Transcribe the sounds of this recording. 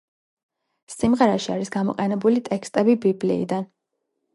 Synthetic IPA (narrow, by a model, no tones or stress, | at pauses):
simʁɛɾaʃiaɾisɡamɔ̰qʼɛnɛbulit̪ʼɛkst̪ʼɛbibiblḭːd̪an